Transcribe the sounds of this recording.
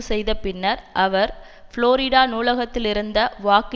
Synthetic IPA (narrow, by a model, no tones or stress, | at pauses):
sɛjðɐpɪnːɐɾʔɐʋɐɾ | fɪɭoːɾɪɽaːnuːlɐɣɐt̪ːɪlɪɾɯnd̪ɐʋaːk